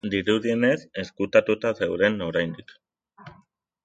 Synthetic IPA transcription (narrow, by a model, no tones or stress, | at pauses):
d̪iɾuðie̞ne̞se̞skut̪at̪ut̪ase̞wɾe̞no̞ɾajnd̪ik